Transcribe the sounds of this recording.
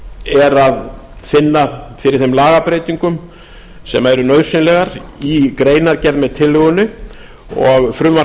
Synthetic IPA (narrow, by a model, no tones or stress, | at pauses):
ɛɾaðsɪnːafɪɾɪɾ̥θɪmlaːɣapɾejt̪iŋkʏm | sɛ̰maɛɾʏnœːðɾ̥sɪnlɛɣaɾikɾeːjnaɾcɛɾðmɛðt̪ʰɪlːʏɣʏnʏ | ɔɣfɾʏmva